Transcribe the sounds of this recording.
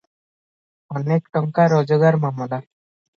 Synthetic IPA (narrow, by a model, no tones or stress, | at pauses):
ɔnekʈɔŋkaɾɔd͡ʑoɡaɾmamɔla